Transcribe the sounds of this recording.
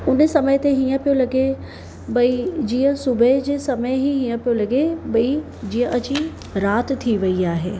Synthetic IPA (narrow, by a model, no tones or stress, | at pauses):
ʊnsɐmət̪eɦiːə̃pijolɐɡe | bɐid͡ʑiːə̃sʊbəd͡ʑeːsɐməeɦiɦiːə̃pijolɐɡebɐi | d͡ʑĩːə̃ʔɐt͡ɕi | ɾaːt̪t̪ʰːiʋɐiaːɦḛː